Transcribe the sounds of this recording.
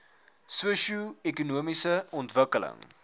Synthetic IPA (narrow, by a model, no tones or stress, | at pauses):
suəʃuɛkunuəmisəɔntvəkələ̰ŋ